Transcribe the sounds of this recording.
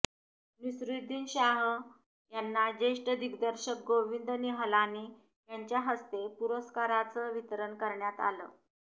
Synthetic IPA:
nisɾid̪iːnɕaɦ | janːad͡ʑeʂʈəd̪ʱikd̪əɾɕək̚ɡoʋind̪əniɦəlaniː | jaɲt͡ɕjaɦəst̪epuɾəskaɾat͡səːʋit̪əɾənkəɾɳjat̪a̰lə̰ː

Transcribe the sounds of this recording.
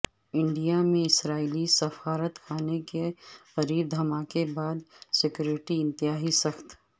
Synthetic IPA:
ɪ̃ɳɖijamẽɪsɾaːilisɐfaːɾət̪kʰaːnekexɐɾiːɾd̪ʱɐmaːkebaːd̪sɪkjoːɾɪʈiɪ̃nt̪ɪjaːɦisɐxt̪ʰ

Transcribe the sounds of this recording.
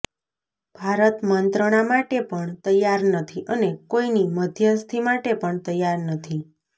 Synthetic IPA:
b̥ʱaɾət̪mənt̪ɾəɽ̃amaʈepəɳt̪əjːaɾnət̪ʰiʔənekoiniməd̪ʱjəst̪ʰimaʈepəɳt̪əjaɾnət̪ʰi

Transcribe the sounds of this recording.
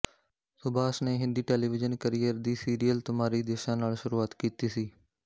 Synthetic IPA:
sʊbaːsneːɦɪ̃nd̪iːʈeːliːʋɪd͡ʒənkəɾijəɾd̪iːsiːɾijəlt̪ʊmaːɾiːd̪eːʃãːnaːlʃʊɾuːaːt̪kiːt̪iːsiː

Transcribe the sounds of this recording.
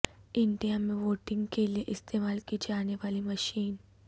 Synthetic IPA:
ɪɳɖijamẽʋoːʈɪ̃ŋɡkelieʔɪst̪eːmaːlkid͡ʒaːneʋaːlimɐʃiːn

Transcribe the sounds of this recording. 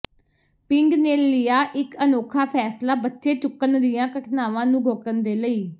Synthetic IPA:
pɪŋɡneːlɪjaːʔɪkənoːkʰaːpʰɛːslaːbətːʃeːt͡ʃʊkːənd̪ɪjãːkəʈʰnaːʋãːnũːɡʱoːkənd̪eːləiː

